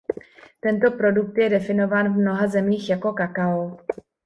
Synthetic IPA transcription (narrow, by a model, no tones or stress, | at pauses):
t̪ɛnt̪o̞pɾo̞duk̚t̪jɛdɛfɪno̞vaːnvmno̞ɦazɛmiːxjako̞kakaol